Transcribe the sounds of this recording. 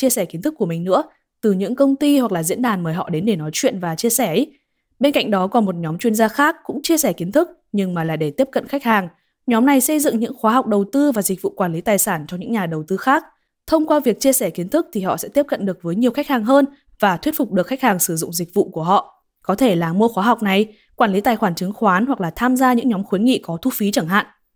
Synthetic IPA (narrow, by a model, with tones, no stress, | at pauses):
t͡ɕi˧əsɛ˧˩ki˨˦nt̪ʰɨ˦˥kːu˧˩əmï˨˩ŋ̟nɨ̰˧˥ə | t̪ɨ˨˩ɲɨ̰˧˥ŋkə˧wŋ͡mt̪i˧hwa˨˩k̚laː˨˩zḭ˧˥ənɗaː˨˩nməː˨˦jɦɔ̰˧˨ɗe˨˦nɗe˧˩nɔ˨˦jt͡ɕwḭ˧˨nvaː˨˩t͡ɕi˧əsɛ˧˩˦ | ɓe˧nka̰˧˨ŋ̟ɗɔ˨˦kɔ˨˩nmo˨˩t̚ɲɔ˨˦mt͡ɕwi˧ənzaː˧xaː˦˥kːʊ̰˧˥ŋ͡mt͡ɕi˧əsɛ˧˩ki˨˦ənt̪ʰɨ˦˥k̚ | ɲɨ˧ŋmaː˨˩laː˨˩ɗe˧˩t̪i˦˥əp̚kə̰˧˨nxa˦˥k̚haː˨˩ŋ | ɲɔ˨˦mna˨˩jsə˧jzɨ̰˧˨ŋɲɨ̰˧˥ŋxwaː˨˦ɦa˨˩wk͡p̚ɗə˨˩wt̪ɨ˧vaː˨˩zï˨˩k̟̚vṵ˧˨kwaː˧˩nli˨˦t̪aː˨˩jsaː˧˩nt͡ɕɔ˧ŋ͡mɲɨ̰˧˥ŋɲaː˨˩ɗə˨˩wt̪ɨ˧xaː˦˥k̚ | t̪ʰə˧wŋ͡mkwaː˧vi˨˩ək̚t͡ɕi˧əsɛ˧˩ki˨˦ənt̪ʰɨ˦˥k̚t̪ʰi˨˩hɔ̰˧˨sɛ̰˧˥t̪i˦˥əp̚kə̰˧˨nɗɨ˨˩ək̚vəː˨˦jɲi˨˩əwxa˦˥jk̚haː˨˩ŋɦəː˧n | vaː˨˩t̪ʰwi˦˥t̚fʊ˨˩k͡p̚ɗɨ˨˩əkxa˦˥k̚haː˨˩ŋsɨ˧˩zʊ̰˧˨ŋ͡mzï˨˩k̟̚vṵ˧˨ku˧˩əɦɔ̰˧˨ | kɔ˨˦t̪ʰe˧˩laː˨˩mu˧əxwaː˨˦ɦa˨˩wk͡p̚na˨˩j | kwaː˧˩nli˨˦t̪aː˨˩jxwaː˧˩nt͡ɕɨ˨˦ŋxwaː˨˦nhwa˨˩k̚laː˨˩t̪ʰaː˧mzaː˧ɲɨ̰˧˥ŋɲɔ˨˦mxwi˨˦nŋḭ˧˨kɔ˨˦t̪ʰu˧fi˨˦t͡ɕə˧˩ŋɦa̰ː˧˨nʔ